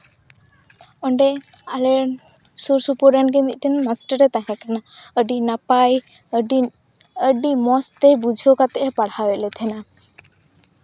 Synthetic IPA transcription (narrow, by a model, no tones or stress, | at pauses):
ɔɳɖɛ | alɛ | suɾsupuɾanɡɛmit̪̚ˀt̪ɛnmasʈəɾɛt̪aɦɛ̃kanaəɖinapaj | əɖi | əɖimɔst̪ɛbud͡ʒʱokat̪ɛʔɛpaɽhaɾɛlɛt̪ʰɛna